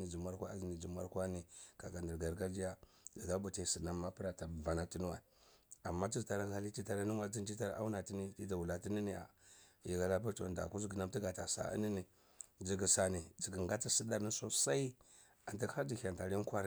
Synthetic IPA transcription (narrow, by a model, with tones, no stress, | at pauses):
ni˨d͡ʒi˨ma˦ɾkʷa˦zni˨d͡ʒi˨m˦a˦ɾkʷa˦ni˨ka˨ka˨ndi˨ɾɡa˨ɾɡa˦ɾd͡ʒi˦ja˦ | d͡ʒi˨ɡa˦bu˨ta˨si˨na˦mːa˦pə˦ɾa˨ta˨va˨na˨ti˦nu˦wa̰˨a˨mːa˦t͡ʃi˦˨ta˨ɾa˦a˦li˦ti˦ta˨ɾa˦ni˦ŋ˦a˦d͡zi˦nd͡ʒi˦ta˦ɾʔa̰˦u˦na˨ti˦ni˦ti˦da˨wu˨la˨ti˦ni˦ni˦˨a̰˨ | ji˨ɡa˦la˦p̬a˦ɾtu˨a˨da̰˨ku˦zɡi˨na˦mti˦ɡa˨ta˨sa̰˦˨ə̰˦ni˦ni˨ | d͡ʒi˨ɡi˨sa˨ni˨d͡ʒi˨ɡi˨ŋɡa˦ta˦si˦ɗa˨ɾni˦so˦sa˦i˦ | a˨nti˦ha˦d͡ʒi˨hʲa˨nta˨ɾi˦kʷa˦ɾ